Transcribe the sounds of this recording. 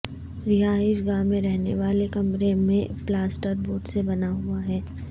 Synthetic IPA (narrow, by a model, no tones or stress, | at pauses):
ɾɪɦaːɪʃ̬ɡaːmẽɾɛɦneʋaːlekɐmɾemẽplaːsʈəɾboːɖsebɐnaɦuaɦɛː